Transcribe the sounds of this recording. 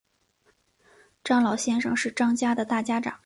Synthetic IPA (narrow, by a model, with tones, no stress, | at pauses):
ʈ͡ʂɑ˥ŋlɑ˨˩ʊɕjɛ˥nʂɤ̰˧ŋʂɻ̩˥˩ʈ͡ʂɑ˥ŋt͡ɕja˥d̪ə˨t̪a˥˩t͡ɕja˥ʈ͡ʂɑ̰˨˩˦ŋ